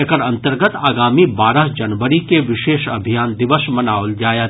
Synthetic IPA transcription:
ekəɾɐ̃nt̪əɾɡət̪aːɡaːmibaːɾəɦd͡ʒɐnʋəɾikeʋɪʃeːʃɐ̰bʱijaːnd̪ɪʋəsmɐnaːʋʊld͡ʒaːjə

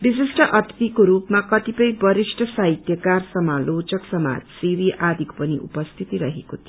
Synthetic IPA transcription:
bisisʈʰʌʔʌt̪t̪ikoɾupmakʌt̪ipʌjbʌɾisʈʰʌsaɦit̪jʌkarsʌmalot͡sʌksʌma̰d͡zsiɾiʔad̪ʱikpʌnḭʔṵpʌst̪ʰit̪iɾʌɦekot̪ʰi

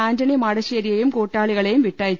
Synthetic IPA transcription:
aːɲd͡ʒɐnimaːɽɐsɪjɐɾɪjɐjɯmkoːʈːaːɭɪɣɐɭɐjɯmʋɪʈːaːj

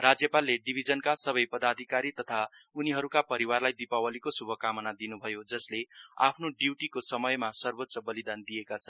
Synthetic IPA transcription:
rad͡zjʌpalːeɖibʱid͡zʌnkasʌbʌjpʌd̪ad̪ʱikaɾit̪ʌt̪ʰauniɦʌɾukapʌɾiwarlajd̪ipawʌlikosubʱʌkamʌnad̪inubʱʌjod͡zʌslea̰pʰnoɖiwʈikosʌmʌjmasʌrbot̪ːsʌbʌlid̪and̪ijekat͡sʰʌnn

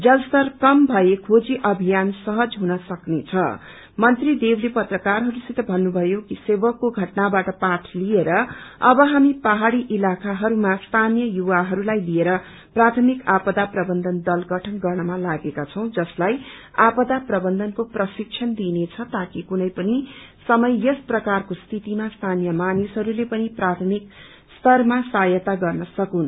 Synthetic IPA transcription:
d͡zʌlst̪ʌrkʌmbʱʌekʰod͡ziʔʌbʱijansʌɦʌd͡zɦunʌsʌknet͡sʰʌ̰ | mʌnt̪rid̪ewlepʌt̪rʌkarɦʌɾusit̪ʌbʱʌnːubʱʌjokisebʌkːoɡʱʌʈnabaʈʌpaʈʰlieɾʌʌbʌɦamipaɦaɽiʔilakaɦʌɾumast̪ʰanijʌjuwaɦʌɾulajlijeɾʌ | prat̪ʰʌmikapʌd̪aprʌbʌnd̪ʱʌnd̪ʌlɡʌʈʰʌnɡʌrnʌmalaɡekat͡sʰʌw̃d͡zʌslajapʌd̪aprʌbʌnd̪ʌnkoprʌsik̚t͡ʃʰʌnd̪inet͡sʰʌt̪akikunʌjpʌnisʌmʌjʌsprʌkarkost̪ʰit̪imast̪ʰanjʌmanisɦʌɾulepʌniprat̪ʰʌmik | st̪ʌrmasajʌt̪aɡʌrnʌsʌkun

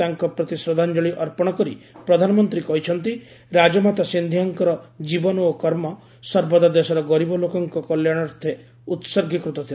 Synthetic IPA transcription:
t̪aŋkɔpɾɔt̪isɾɔd̪ʱand͡ʒɔɭiʔɔɾpɔɽ̃ɔkɔɾipɾɔd̪ʱanɔmɔnt̪ɾikɔɦit͡ʃʰɔnt̪i | ɾad͡ʒɔmat̪asind̪ʱiɦaŋkɔɾɔd͡ʒibɔnokɔɾmɔ | sɔɾbɔd̪ad̪esɔɾɔɡɔɾibɔlokɔŋkɔkɔljaɽ̃ɔɾt̪ʰe | ut̪sɔɾɡʱikɾut̪ɔt̪ʰil

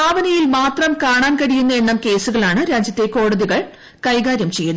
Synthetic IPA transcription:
aːʋɐnɐjilmaːt̪rɐmkaːɳaːnkɐɽijunːɐeɳːɐmke̞ːsuɣɐɭaːɳɨɾaːd͡ʑjɐt̪ːe̞ko̞ːɽɐðiɣɐɭ | kɐjɡaːɾjɐmt͡ɕe̞jːunː

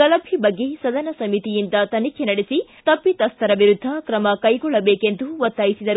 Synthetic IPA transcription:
kɐlɐbʱibɐɡːe̞sɐd̪ɐnɐsɐmit̪ijind̪ɐt̪ɐnikʰjenɐɽesit̪ɐpːit̪ɐst̪ʰɐɾɐʋiɾud̪ʱːɐkɾɐmɐkɐjɡɔɭːɐbeːkend̪uʋɐt̪ːaːjisid̪ɐɾu

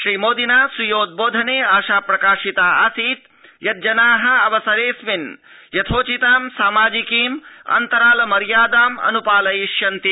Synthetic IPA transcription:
ʃɾiːmoːd̪inaːsujoːd̪̚boːd̪ʱɐneːaːʃaːpɾɐkaːʃit̪aːaːsiːt̪ | jɐt̪̚d͡ʒɐnaːɦɐ̆ɐʋɐsɐɾeːsmin | jɐt̪ʰoːt͡ʃit̪aːmsaːmaːd͡ʒikiːmɐ̰nt̪ɐɾaːlɐmɐɾjaːd̪aːmɐ̰nupaːlɐjiʃjɐnt̪i

